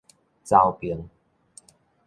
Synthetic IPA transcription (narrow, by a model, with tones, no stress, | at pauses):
t͡sa˧wpi˨ə˦ŋ